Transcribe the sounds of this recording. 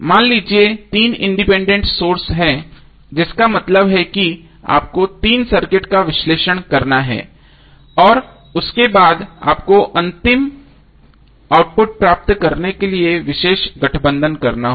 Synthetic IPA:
maːnliːd͡ʒiet̪iːnɪ̃ɳɖɪpɛ̃ːɳɖẽɳʈsoːɾsɦɛ̃ | d͡ʒɪskamɐt̪ləbɦɛki | a̰ːp̚kot̪iːnsɐɾkɪʈkaʋɪʃleːʃəɽ̃kɐɾnaɦɛ̰ː | ɔːɾ | ʊskebaːd̪a̰ːp̚koʔɐ̃nt̪ɪm | aːʊʈ̚pʊʈ̚pɾaːp̚t̪kɐɾnekelieʋɪʃeːʃɡɐʈʰbə̃nd̪ʱənkɐɾnaɦ

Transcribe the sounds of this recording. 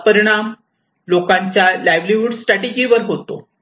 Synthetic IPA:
pəɾiɽ̃am | lokãɲt͡ɕjalajʋliʋuɖsʈɾaʈid͡ʑiʋəɾɦot̪o̰

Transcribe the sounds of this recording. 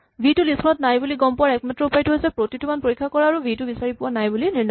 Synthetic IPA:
bʱitʊlisʰɔnɔt̚najbuliɡɔmpɔwaɛk̚matɹɔupajtuɦojsɛpɹotitumanpoɹikʰːakɔɹaːɹubʱitubisaɹipʊwanajbuliniɹn

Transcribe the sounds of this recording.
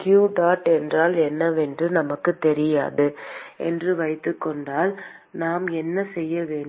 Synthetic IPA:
kjuːʈaːʈɛndraːlɛnːɐʋɛndrɯnɐmɐkːɯt̪ːɛɾɪja̰ːðɯɛ̰ndrɯʋɐɪt̪ːɯkːɔɳɖaːl | naːmɛnːɐsɛjːɐʋeːɳ

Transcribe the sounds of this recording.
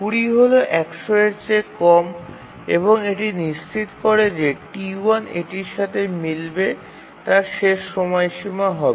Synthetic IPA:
puɽiɦoloʔɛkʃoeɾt͡ɕekɔm | ḛboŋeʈiniʃt͡ɕʰit̪kɔɾed͡ʑeʈianḛʈiɾʃat̪ʰemilbe | t̪aɾʃeʃːɔmɔeʃimaɦɔbe

